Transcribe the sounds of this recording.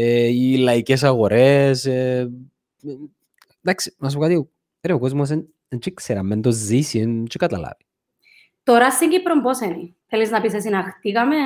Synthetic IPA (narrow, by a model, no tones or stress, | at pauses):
eilɐices̬ɐɣo̞ɾese | d̪aksi̥nɐs̬pokat̪io | eɾeokozmos̬en | ent͡ʃikseɾɐmːend̪oːisint͡ʃekɐt̪ɐla̰vi̥ | t̪oɾɐsːiɲɟipɾomboseniθeliznɐpises̬inɐxt̪iɣɐme